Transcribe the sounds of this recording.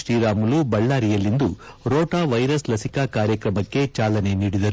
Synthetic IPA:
ʃɾiːɾaːmulubɐɭːaːɾijɐlːind̪u | ɾoːʈaːʋɐjɾɐslɐsikaːkaːɾjɐkɾɐmɐkːe̞t͡ʃaːlɐne̞niːɽid̪ɐɾu

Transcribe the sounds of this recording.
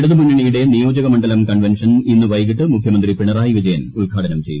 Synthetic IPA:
eɽuðɨmunːiɳijuɽe̞nijo̞ːd͡ʑɐɣɐmɐɳɖɐlɐmkɐɳʋenʂɐninːɨʋɐjɣiʈːɨmukʰjɐmɐnd̪ripiɳɐraːjiʋid͡ʑɐjɐnulɡʱaːɽɐnɐmt͡ɕe̞ju

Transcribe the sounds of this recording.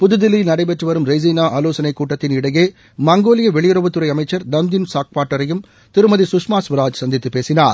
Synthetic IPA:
pʊðɯðɪlːɪnɐɽɐɪbɛʈrɯʋɐɾɯmɾɐɪziːnaːʔaːloːsɐnɐɪkːuːʈːɐt̪ːɪnɪɽɐjeː | mɐŋɡoːlɪjɐʋɛɭɪjɯɾɐbɯt̪ːɯɾɐɪɐmɐɪt͡ʃːɐɾnɐnd̪ɪnsaːk̚paːʈːɐɾɐjɯm | t̪ɪɾɯmɐðisʊʂmaːsʋɐɾaːd͡ʒsɐnd̪ɪt̪ːɯpeːsɪnaːɾ

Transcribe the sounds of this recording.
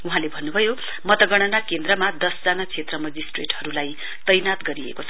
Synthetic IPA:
uɦãlebʱʌnːubʱʌjo | mʌt̪ʌɡʌɽ̃ʌnakend̪rʌmad̪ʌsd͡zanat͡sʰet̪rʌmʌd͡zisʈreʈɦʌɾulaj | t̪ʌjnat̪ɡʌɾiḛkot͡sʰʌ

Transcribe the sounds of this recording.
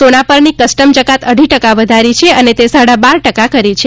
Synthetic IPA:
onapəɾnikəsʈəmd͡ʒəkat̪əɖʱiʈəkaʋəd̪ʱaɾit͡ʃʰeənet̪esaɽabaɾʈəkakəɾit͡ʃʰe

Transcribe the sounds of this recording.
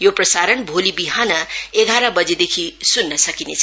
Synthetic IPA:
joprʌsaɾʌnbʱolibiɦanʌeɡʱaɾʌbʌd͡zed̪ekʰisunːʌsʌkinet͡sʰʌ

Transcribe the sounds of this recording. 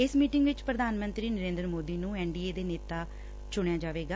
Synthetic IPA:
ɪsmiːʈɪ̃ŋɡʋɪt͡ʃpɾəd̪ʱaːnmənt̪ɾiːnəɾẽːnd̪ɾmoːd̪iːnũːɛːɳɖiːeːd̪eːneːt̪aː | t͡ʃʊɳ̃jaːd͡ʒaːʋeːɡaː

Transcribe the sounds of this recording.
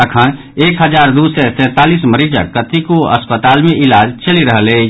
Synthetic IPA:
əkʰən | ekɦəd͡ʒaɾd̪usɛsɛ̃t̪alisməɾid͡ʒə̰ːət̪ikoə̰spət̪almeilad͡ʒt͡ʃəliɾəɦle

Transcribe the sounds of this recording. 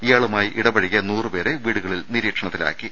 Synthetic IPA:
ijaːɭumaːjiʔiɽɐbɐɻikʲːɐnuːrɨpe̞ːɾe̞ʋiːɽuɣɐɭilniɾiːkʂɐɳɐt̪ːila̰ːkːi

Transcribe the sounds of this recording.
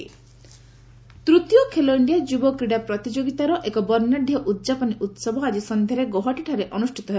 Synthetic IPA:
t̪ɾut̪jokʰeloiɳɖijad͡ʒubɔkɾiɽapɾɔt̪id͡ʒoɡit̪aɾɔʔekɔbɔɾnaɖʱjɔʔut̪̚ːd͡ʒapɔniʔut̪sɔbʱɔad͡ʒisɔnd̪ʱjaɾeɡoɦɔʈiʈʰaɾeʔɔnusʈʰit̪ɔɦe

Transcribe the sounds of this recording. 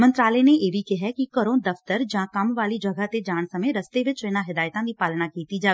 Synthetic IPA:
mə̃nt̪ɾaːlɛneeːʋikɪɦɛkikəɾõːd̪ɐft̪əɾd͡ʒãːkɐmʋaːlid͡ʒɐɡət̪ed͡ʒaːɳsɐmẽɾɐst̪eʋɪt͡ʃɪnãɦɪd̪aːjt̪ãd̪ipaːlnakiːt̪id͡ʒaː

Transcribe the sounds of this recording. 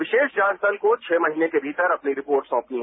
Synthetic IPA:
ʋɪʃeːʃd͡ʒãːsəlkot͡ʃʰeːmɐɦiːnekebʱiːt̪əɾɐpniɾɪpoːɾʈsɔ̃ːpniɦɛ

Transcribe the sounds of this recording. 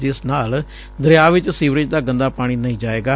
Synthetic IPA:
d͡ʒɪsnaːl | d̪əɾɪjaːʋɪt͡ʃsiːʋɾɪd͡ʒd̪aːɡə̃nd̪aːpaːɽ̃iːnəĩːd͡ʒaːeːɡaː

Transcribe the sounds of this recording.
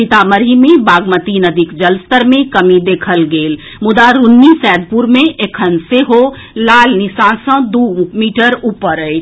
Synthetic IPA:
it̪aməɾimẽbaːɡmət̪inəd̪ʱikd͡ʒəlst̪əɾmẽkəmid̪eːkʰəlɡeːl | mʊd̪aɾunːisɛːd̪̚ʱpuɾmẽʔekʰənseɦo | laːlnɪsãːnsə̃d̪umiːʈəɾuːpəɾəj

